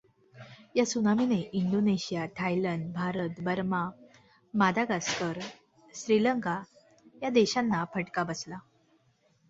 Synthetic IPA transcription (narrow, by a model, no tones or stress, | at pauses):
jasunamineʔiɳɖoneɕijaʈʰajləɳɖ̚bʱaɾət̪bəɾma | mad̪aɡaskəɾ | ɕɾiləŋka | jad̪eɕanːapʰəʈkabəsla